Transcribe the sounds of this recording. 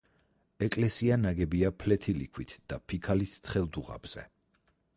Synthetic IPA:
ɛkʼlɛsianaɡɛbiapʰlɛt̪ʰilḭkʰwit̪ʰd̪̥apʰikʰalit̪ʰt̪ʰχɛlˠd̪uʁa̰b̥z̥ɛ̰

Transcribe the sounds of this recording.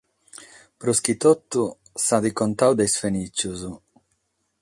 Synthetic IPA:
pɾusk̟it̪ot̪ːu | sad̪ikont̪awd̪ejsfenit͡ʃːuz

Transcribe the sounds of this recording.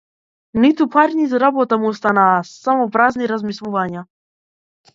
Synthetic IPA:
nit̪upaɾnizɾabɔt̪amuɔst̪anaːsamɔpɾazniɾazmislˠuvaɲa

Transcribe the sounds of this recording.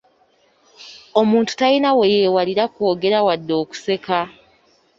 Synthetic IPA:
o̞muːntu̥tainawe̞jeːwaliɾako̞ːɡe̞ɾawadːo̞ːku̥se̞ka

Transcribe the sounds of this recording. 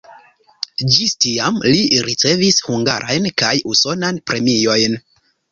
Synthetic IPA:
d͡ʒistiamliɾit͡se̞vishuŋɡa̰ɾʔajnkajuso̞nanpɾʔe̞mijo̞jn

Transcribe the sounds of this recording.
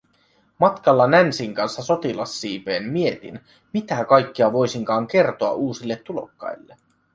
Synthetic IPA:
mɑt̪kɑlːɑnænsiŋkɑnsːɑso̞t̪ilɑsːiːpeːmmie̞t̪ḭn | mit̪ækɑjkːiɑʋo̞jsiŋkɑːŋk̟e̞rt̪o̞ɑ̰ʔuːsilːet̪ːulo̞̰kːɑ̰jlːe

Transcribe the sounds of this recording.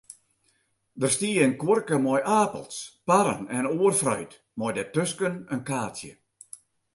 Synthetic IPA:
dərstiːənkworkəmɔjʔaːpə̰lˠspaɾə̰nɛnoərfrœ̰ɥt | mɔjdətøskənənkaːtjə̰

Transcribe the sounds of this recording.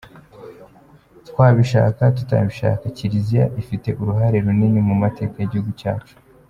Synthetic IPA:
tkwaːβiʃa̰ːkatu̥ta̰βiʃa̰ːkaciɾizija̰ʔifite̞ʔuɾuɦaɾe̞ɾuniɲimumate̞ːkajeɟihuɡuca̰ːt͡ʃu̥

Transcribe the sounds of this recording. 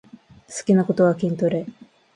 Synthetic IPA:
sɨ̥kʲinako̞t̪o̞βakʲĩnt̪oɾe

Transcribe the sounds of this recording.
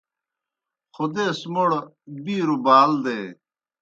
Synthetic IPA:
xud̪eːsmoɽ | biːɾubaːld̪eː

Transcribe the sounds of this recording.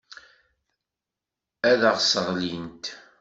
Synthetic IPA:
æðəʁsəʁlint̪

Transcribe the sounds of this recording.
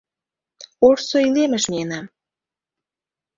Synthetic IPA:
orsoilemĕʃnʲienɑm

